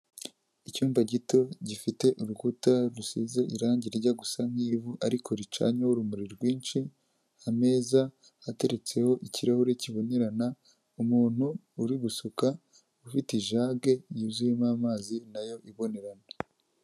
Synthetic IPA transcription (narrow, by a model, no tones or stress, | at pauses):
icuːmvaɟito̞ɟifite̞ʔuɾuɡutaɾusize̞ʔiɾaːɲɟiɾɾɟaɡusam̥hiːvuʔaɾikʰo̞ɾit͡ʃa̰ɲawoɾumuɾiɾɡwiːnʃi | ame̞ːza | ate̞ɾe̞t͡se̞ho̞ʔiciɾahuɾeciβo̞ne̞ɾana | umuːn̥huː | ɾiɡusuka | ufitiʒaːɡe̞jizujemaːmaːzinajo̞ʔiβo̞ne̞ɾana